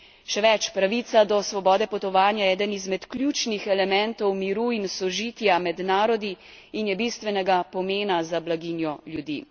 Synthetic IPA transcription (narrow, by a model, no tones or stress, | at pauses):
ʃɛʋɛt͡ʃpɾaʋit̪sad̪ɔsʋɔbɔːd̪ɛpɔt̪ɔʋaːnjaɛːd̪ənizmɛt̪kljuːt͡ʃnixɛlɛmɛnt̪ɔwmiɾuinsɔʒiːt̪jamɛd̪naːɾɔd̪i | injɛbist̪ʋɛnɛɡapɔmeːnazablaɡinjɔljud̪ḭ